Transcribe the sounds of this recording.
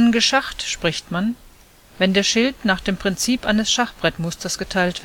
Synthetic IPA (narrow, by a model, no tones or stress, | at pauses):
nɡəʃaχtʃpʁ̥ɪçtman | vɛndeːɐʃɪltnaːχd̥eːmpʁ̥ɪnt͡siːpʔaɪnəsʃaχb̥ʁɛtmʊstɐsɡ̥ətʰaɪltv̥